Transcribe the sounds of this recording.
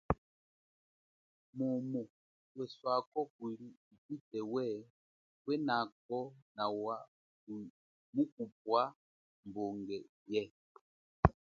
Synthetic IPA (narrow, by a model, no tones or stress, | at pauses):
mɔmɔ | wɛswakɔkuliipitɛwɛ | wɛnak̚ɔnawa | ku | muk̚up̚wa | mbɔŋɡɛ | jɛ